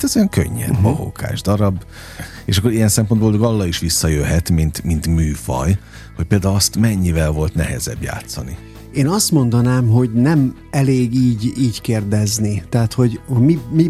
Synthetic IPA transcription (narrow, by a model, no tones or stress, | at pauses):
t̪ɛzojɒŋkø̰ɲːɛ̰bɒɦo̰ka̰ːʒd̪ɒɾɒbː | eːʃɒkːoɾijɛnsɛmpo̞nboːlboɡɒlːɒiʃʋisːɒjøɦɛt̪mint̪mint̪myːfɒ̰j | ho̞c̚peːld̪aːuɒst̪mɛɲːivɛlvo̞lt̪nɛɦɛ̰zɛ̰bja̰ːt̪sɒnḭ | eːnɒst̪mo̞nd̪ɒnaːmɦo̞ɟnɛm | ɛleːɡiːɟiːɟkeːrd̪ɛznit̪ɛɦːt̪ho̞ɟhomimi